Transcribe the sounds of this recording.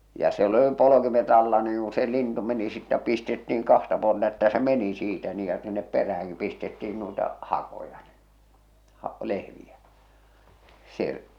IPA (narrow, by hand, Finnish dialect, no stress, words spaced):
jɑ siel ə̆li polokimet ɑlːɑ niːŋ ku se lintu meni sitːæ pistetːiiŋ kɑhtɑ puoltɑ etːæ se meni siːtæ niː jɑ sinːep peræhæŋkip pistetːiin nuitɑ hɑkojɑ n̥i̥ hɑ lehʋiæ seʔ